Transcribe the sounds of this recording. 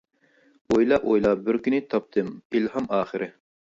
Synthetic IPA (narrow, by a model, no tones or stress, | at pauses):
ojlˠɑʔojlˠɑbɪɾkʲynɪt̪ʰɑp̚t̪ʰɨmilɦɑmɑːχɨɾʔɪ